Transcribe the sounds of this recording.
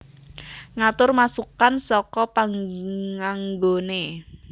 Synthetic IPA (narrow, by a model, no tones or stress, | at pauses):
ŋat̪ʊrmasukansɔkɔpaŋŋaŋɡone